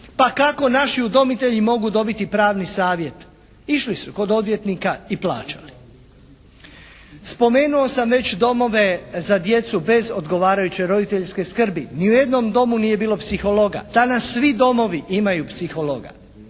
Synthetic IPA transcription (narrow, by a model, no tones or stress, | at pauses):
pakako̞naʃiud̪o̞mit̪e̞ʎimo̞ɡud̪o̞bit̪ipɾaːʋnisaːʋje̞t̪ | iʃlisuko̞d̪o̞d̪ʋje̞t̪nikaipla̰ːt͡ɕḁ̰li | spo̞me̞ːnuo̞samʋe̞t͡ɕd̪o̞mo̞ʋe̞zad̪je̞t̪sube̞zo̞d̪ɡo̞ʋaːɾajut͡ɕe̞jɾo̞d̪it̪e̞ʎske̞skr̩biniuje̞d̪no̞md̪o̞muniːje̞biːlo̞psixo̞lo̞ɡa̰d̪̥anasːʋid̪o̞mo̞ʋiʔimajupsixo̞lo̰ɡa̰